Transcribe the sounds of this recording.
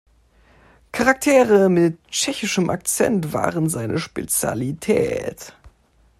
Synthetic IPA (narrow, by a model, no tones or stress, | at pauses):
kʰaʁak̚tʰeːʁəmɪt̚t͡ʃɛçɪʃəmʔa̰k̚t͡sɛ̰ntv̥a̰ːʁənzaɪnʔəʃpet͡sja̰litʰɛ̰ːt